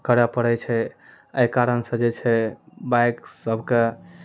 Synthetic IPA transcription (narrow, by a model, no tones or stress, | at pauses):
kəɾapəɽɛt͡ʃʰɛ | əjkaɾənsə̃d͡ʒet͡ʃʰɛbajksəbʱke